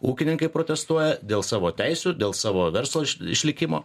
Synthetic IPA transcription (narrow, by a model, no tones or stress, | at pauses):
uːkʲɪnʲɪŋkɐɪpɾoːt̪ʲɛst̪uɔjɛd̪ʲeːlˠsɑːʋoːt̪ʲɛɪsʲuːd̪ʲeːlˠsɑːʋoːʋʲɛɾslˠoːʃɪʃʲlʲɪkʲɪmo̰ː